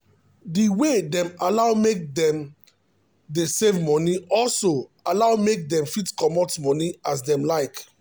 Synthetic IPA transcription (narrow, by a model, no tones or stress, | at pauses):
diwedɛ̃malaʊmek̚dɛ̃m | desevmɔniɔlsoalaʊmek̚dɛ̃mfitkɔmɔtmɔniasdɛ̃mlaɪk